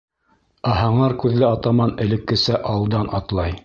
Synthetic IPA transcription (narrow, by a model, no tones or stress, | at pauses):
ɑɦɑɴɑɾkʉðlɘɑt̪ɑmɑnɘ̆lɘ̆kːɘ̆sæʔɑlˠd̪ɑnʔɑt̪lˠɑj